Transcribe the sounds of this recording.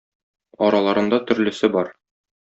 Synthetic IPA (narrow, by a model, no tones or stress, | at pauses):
ɒɾɑlˠɑɾɤ̆nd̪ɑt̪ɵ̆ɾlɘ̆sɘbɒɾ